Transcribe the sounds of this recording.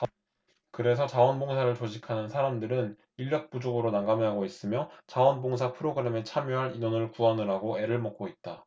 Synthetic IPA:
kɯɾe̞sʰʌt͡ɕawʌnboŋsʰaɾɯɭt͡ɕod͡ʑikʰanɯnsʰaɾamdɯɾɯn | iʎːʌk̚p͈ud͡ʑoɡɯɾonaŋɡamɯɦaɡois͈ɯmjʌt͡ɕawʌnboŋs̬ʰapʰɯɾoɡɯɾe̞me̞t͡ɕʰamjoɦaɾinonɯɭkuanɯɾaɡoe̞ɾɯɭmʌk͈oit̚t͈a

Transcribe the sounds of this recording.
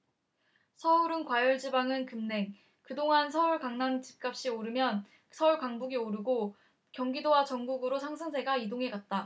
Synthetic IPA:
sʰʌuɾɯnkwajʌɭd͡ʑibaŋɯnkɯmne̞ŋ | kɯdoŋans̬ʰʌuɭkaŋnaŋd͡ʑi̥p̚k͈ap̚ɕ͈ioɾɯmjʌn | sʰʌuɭkaŋbuɡioɾɯɡo | kjʌŋɡidowat͡ɕʌŋɡuɡɯɾosʰaŋsʰɯŋs̬ʰe̞ɡaidoŋɦe̞ɡat̚t͈a

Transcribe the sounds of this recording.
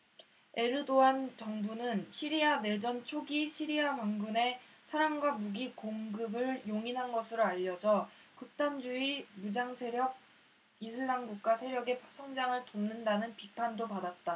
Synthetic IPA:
e̞ɾɯdoant͡ɕʌŋbunɯnɕʰiɾiane̞d͡ʑʌnt͡ɕʰoɡiɕʰiɾiamaŋɡune̞sʰaɾamɡwamuɡikoŋɡɯbɯɭjoŋinɦanɡʌsʰɯɾoaʎːʌd͡ʑʌkɯk̚t͈and͡ʑuimud͡ʑaŋsʰe̞ɾjʌɡ̚ | isʰɯɭːaŋɡuk̚k͈asʰe̞ɾjʌɡe̞sʰʌŋd͡ʑaŋɯɭtomnɯndanɯnpipʰandopadat̚t͈a

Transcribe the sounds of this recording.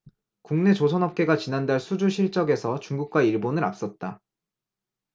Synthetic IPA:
kuŋne̞t͡ɕosʰʌnɦʌp̚k͈e̞ɡat͡ɕinandaɭsʰud͡ʑuɕʰiɭt͡ɕ͈ʌɡe̞sʰʌt͡ɕuŋɡuk̚k͈waiɭbonɯɾa̰p̚s͈ʌt̚t͈a

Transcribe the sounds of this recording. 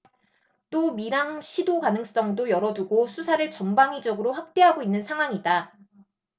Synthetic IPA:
t͈omiɾaŋɕʰidokanɯŋs͈ʌŋdojʌɾʌduɡosʰusʰaɾɯɭt͡ɕʌmbaŋid͡ʑʌɡɯɾoɸwak̚t͈e̞ɦaɡoinːɯnsʰaŋɦwaŋida

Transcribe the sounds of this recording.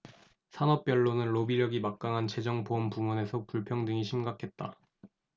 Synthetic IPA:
sʰanʌp̚p͈jʌɭːonɯnɾobiɾjʌɡimak̚k͈aŋɦant͡ɕe̞d͡ʑʌŋpoʌmpumwʌne̞sʰʌpuɭpʰjʌŋdɯŋiɕʰimɡakʰe̞t̚t͈a

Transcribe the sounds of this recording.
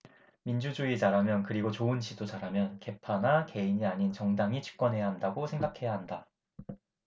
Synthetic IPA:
mind͡ʑud͡ʑuit͡ɕaɾamjʌnkɯɾiɡot͡ɕoɯnt͡ɕidot͡ɕaɾɦamjʌnke̞pʰanake̞iɲiaɲint͡ɕʌŋdaŋit͡ɕʰi̥k̚k͈wʌnɦe̞jaɦandaɡosʰe̞ŋɡakʰe̞jaɦanda

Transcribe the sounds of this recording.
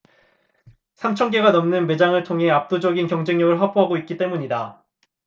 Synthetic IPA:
sʰamt͡ɕʰʌŋɡe̞ɡanʌmnɯnme̞d͡ʑaŋɯɭtʰoŋɦe̞ap̚t͈od͡ʑʌɡinkjʌŋd͡ʑe̞ŋɲʌɡɯɭɸapʰoɦaɡoit̚k͈it͈e̞muɲida

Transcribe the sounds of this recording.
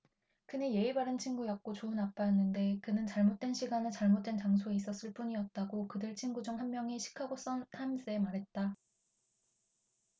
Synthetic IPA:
kɯneje̞ibaɾɯnt͡ɕʰinɡujʌk̚k͈ot͡ɕounap̚p͈ajʌnːɯnde̞kɯnɯnt͡ɕaɭmot̚t͈we̞nɕʰiɡanɯt͡ɕaɭmot̚t͈we̞nt͡ɕaŋsʰoeis͈ʌs͈ɯɭp͈uɲiʌt̚t͈aɡokɯdɯɭt͡ɕʰinɡud͡ʑuŋɦanmːjʌŋiɕʰi̥kʰaɡos͈ʌntʰams͈eemaɾɦe̞t̚t͈a

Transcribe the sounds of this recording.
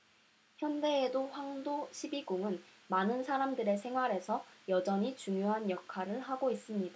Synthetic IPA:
çjʌnde̞ːdoɸwaŋdoɕʰibiɡoŋɯn | manɯnsʰaɾamdɯɾe̞s̬ʰe̞ŋɦwaɾe̞sʰʌjʌd͡ʑʌɲit͡ɕuŋjoɦanjʌkʰaɾɯɭɦaɡois͈ɯmɲida

